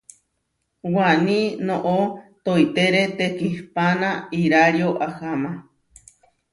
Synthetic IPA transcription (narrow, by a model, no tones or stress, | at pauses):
wanĩnoʔot̪oit̪eɾet̪ekihpanaiɾaɾioʔahama